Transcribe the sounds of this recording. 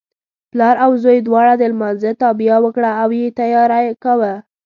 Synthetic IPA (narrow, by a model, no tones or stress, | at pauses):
plɑɾawzojd̪wɑɽad̪əlmɑnzət̪ɑbijawəkɽaːwjet̪ajɑɾajkawə